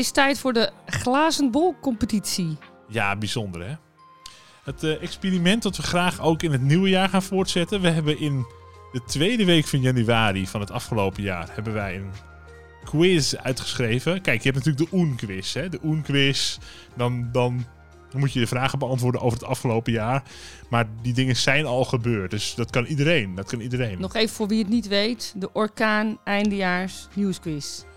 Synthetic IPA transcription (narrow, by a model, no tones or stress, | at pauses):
ɪstɛjtfʊːɹdəχlaːzənbolˠkːɔmpətisi | jabizondərhɛ | ətɛkspiːrimɛntdɔtʋəxraːxowkɪnɦətniwəjaːɹχaːnfʊːrtsɛtənʋəɦɛbənʔɪn | dətʰʋeːdəʋeːkfɔnjanyaːrifɔnɦətɑfχəlowpəja̰ːrhɛbənʋɛjən | kʰwɪsœ̰ɥtχə̥sχrejvəkɛjkjəɦɛp̚natyːlək̚dəʔunkʋɪshɛdəʔunkʋɪs | dɔndɔn | mutjədəfraːɣəbəɑntʋʊːɹdənʔowvərətɑfχəlowpəjaːrmaːɹdidɪŋənsɛjnɔlˠχəbøːrt̚døsdɔtkɑnidəɾejndɔtkɑnidərejnnɔχejvəfʊːɹʋiətnitʋejtdəʔɔɹkaːnɛjndəjaːɹsnjuːskwɪs